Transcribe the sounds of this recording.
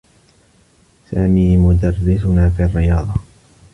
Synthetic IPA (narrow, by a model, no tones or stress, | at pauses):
saːmiːmʊd̪arːɪsʊnaːfiːrːɪjɑːd̪ˤɑ